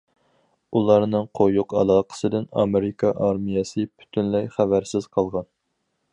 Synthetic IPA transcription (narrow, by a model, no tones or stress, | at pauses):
ulˠɑɾnɨŋqʰojuqɑ̰lˠɑːqʰə̥sɨd̪ɪnɑ̰meɾɪkʰɑʔɑɾmijɑsɨpʰy̥t̪ʰynlɛjχævæɾsɪz̥qʰɑlˠʁɑn